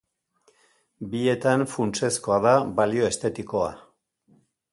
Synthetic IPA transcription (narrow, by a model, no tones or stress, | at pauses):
bie̞t̪anfunt͡se̞sko̞aðaβalio̞e̞st̪e̞t̪iko̞a̰